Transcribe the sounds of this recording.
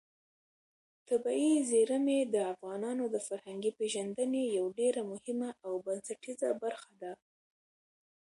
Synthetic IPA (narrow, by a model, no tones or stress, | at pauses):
t̪abɑizeɾəmed̪əafɣɑnɑnod̪əfaɾhaŋɡipeʒand̪ənejawɖeɾamʊhɪmaʔawbansaʈizabaɾxad̪a